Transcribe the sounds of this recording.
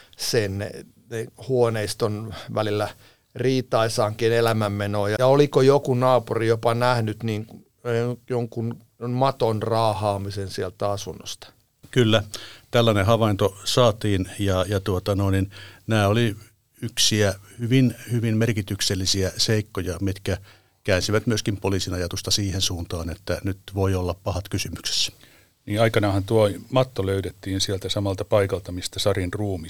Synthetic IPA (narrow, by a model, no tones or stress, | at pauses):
sen | nehuoneist̪onʋælilːæ | riːt̪ɑisɑːŋkinelæmæmːenoːjɑjɑolikojokunɑːpurijopɑnæhnyt̪niːŋ | joŋkun | mɑt̪onrɑːhɑːmisensielt̪æɑsunːo̰st̪ɑ̥ | kylːæt̪ælːænehɑʋɑint̪osɑːt̪iːnjɑjɑt̪uot̪ɑnoˑininnæːoli | yksiæhyʋinhyʋimmerkit̪ykselːisiæseikːojɑmit̪kæ | kæːnsiʋæt̪myøskimpoliːsinɑjɑt̪ust̪ɑsiːhensuːnt̪ɑːnet̪ːænyt̪ʋoiolːɑppɑhɑt̪kysymykse̥s | niːɑikɑnɑhɑnt̪uomɑt̪ːoløytet̪ːiːnsielt̪æsɑmɑlt̪ɑpɑikɑlt̪ɑmist̪æsɑrinruːmi